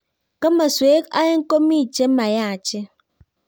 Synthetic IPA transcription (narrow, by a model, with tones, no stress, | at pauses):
ke˦ma˨swe˨˦ka̰˦je˦ŋ̩˦ko˦mi˦˨t͡ʃe˦m̩˦ma˨ja˦a˨t͡ʃe˦